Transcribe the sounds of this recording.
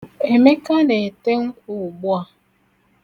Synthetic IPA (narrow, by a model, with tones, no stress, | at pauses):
e˨me˦ka˦ne˨te˦ŋ̩˦kʷu˦˨u˨ɡ͡bu˦a˨